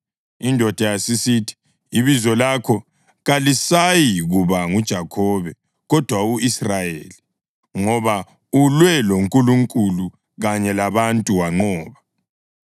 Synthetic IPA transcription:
indʱɔd̥ʱajasisitʰi̥ː | βizɔlakʰɔ | ɣalisajiɣuβaŋud̥ʒ̥ʱakʰɔβɛ | ɣɔd̥ʱwauisrajeːli | ŋɔβa | ulwɛloŋkʼuluŋkʼulu | ɣaɲɛlaβantʼuwaŋ͡ǃɔːβa

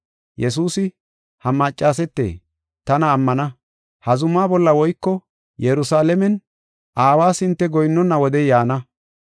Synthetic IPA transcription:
jɛs̬uːsɪ | hɐmɐt͡ʃʼːaːs̬ɛt̪ːḛː | t̪ɐnɐːmːɐnɐ | hɐzʊmːaːbɔlːɐwɔjkːɔ | jɛɾʊsaːlɛmɛn | ʔaːwaːsɪnt̪ːɛɡɔjnːɔnːɐwɔd̪ɛjaːnɐ

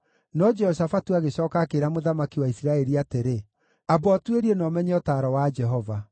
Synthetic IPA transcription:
nɔd͡ʒɛhɔɕafatuaɣeɕɔːkakeɾamoðamakiwaisiɾaɛɾiateɾe | abɔatweɾiɛnɔːmɛɲɛɔtaːɾɔwad͡ʒɛɦɔva

